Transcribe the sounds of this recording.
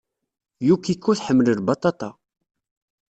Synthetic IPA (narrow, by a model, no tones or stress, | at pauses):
jukːikːuθħəmːləɾbɑt̪ˤɑt̪ˤɑ